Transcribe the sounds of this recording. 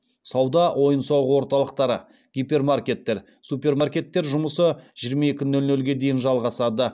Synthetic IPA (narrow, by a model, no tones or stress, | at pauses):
sɑwd̪ɑwʔo̞jənsɑwʁəwo̞ɾt̪ɑlˠəqt̪ɑɾə | ɡ̥ʲipʲe̞rmarkʲe̞t̪ːe̞ɾ | supʲe̞rmarkʲe̞t̪ːe̞ɾʒʊməsəʒ̥ijɾmɑe̞kʲɪnːɵlnɵlɡʲe̞d̪e̞jɪnʒɑlˠʁɑsɑd̪ə